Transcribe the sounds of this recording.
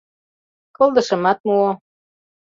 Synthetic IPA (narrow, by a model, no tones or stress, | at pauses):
kolˠd̪ɤ̆ʃɤ̆mɑt̪̚muo